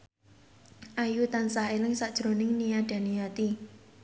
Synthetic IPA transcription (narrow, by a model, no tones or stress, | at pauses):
ʔajut̪ansahelɪŋsaʔd̥ʒ̥ɾo̤nɪŋnijaɖ̥a̤nijat̪i